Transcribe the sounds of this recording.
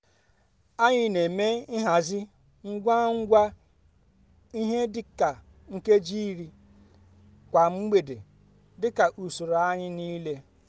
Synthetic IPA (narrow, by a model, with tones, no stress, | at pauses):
a˦ɲɪ˦ne˨me˦ɪ˦ɦa˨zɪ˦ | ŋ̩˦ɡʷa˦ŋ̩˦ɡʷa˦ | i˦ɦe˦dɪ˦ka˨ | ŋ̩˦ke˦d͡ʒi˦ɾi˦ | kʷa˨m̩˦ɡ͡be˨de˨ | dɪ˦ka˨ʔu˨su˨ɾo˨a˦ɲɪ˦niː˦le˦